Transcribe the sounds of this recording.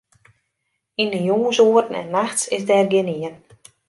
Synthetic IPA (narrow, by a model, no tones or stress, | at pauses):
inəjoːənsoərtən̩ɛ̰nːaxtsɪzdɛːrɡɪniən